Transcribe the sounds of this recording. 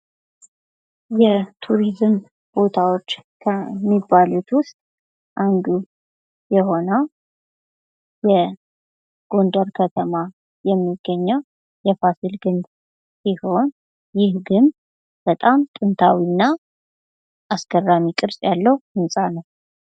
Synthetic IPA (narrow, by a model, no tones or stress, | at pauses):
jɛt̪ʰuɾizɨm | b̥o̞t̪ʰawot͡ʃːkʰəmːibːalut̪wʊst̪ʼ | ʔand̪u | jɛho̞nəw | jɛ | ɡ̥o̞nd̪aɾkʰət̪ʰəma | jɛmːiɡ̥ːəɲːəw | jɛfasilɡɨnd̪ | siho̞n | jɪhɡɨnd̪ | b̥ət̪ʼamt̪ʼɨnt̪ʰawinːa | ʔasɡərːamikʼɨɾsʼjalːəhuhɨnsʼanəw